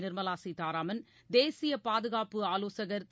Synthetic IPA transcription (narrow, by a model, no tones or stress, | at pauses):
nɪɾmɐlaːsit̪aːɾaːmɐn | d̪eːsɪjɐpaːðɯɣaːpːɯaːloːsɐɣɐɾt̪